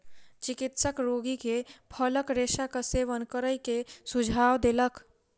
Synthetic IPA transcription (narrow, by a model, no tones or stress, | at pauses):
t͡ʃɪkɪt̪səkɾoːɡikepʰələkɾeːʃakəseʋənkəɾəikesʊd͡ʒʱaːwd̪elək